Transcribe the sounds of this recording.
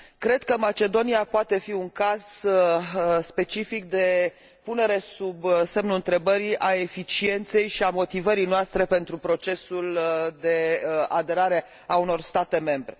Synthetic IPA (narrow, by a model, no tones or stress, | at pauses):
kɾe̞d̪̥kəmat͡ʃe̞d̪o̞niapoat̪e̞fiuŋkaz | spe̞t͡ʃifik̚d̪e̞ | pune̞ɾe̞subse̞mnuɨnt̪ɾe̞bəɾiʔaefit͡ʃie̞nt̪se̞jʃiamo̞t̪ivəɾijnoast̪ɾe̞pe̞nt̪ɾupɾo̞t͡ʃe̞suld̪e̞ad̪e̞ɾaɾe̞ | auno̞rst̪at̪e̞me̞mbɾe̞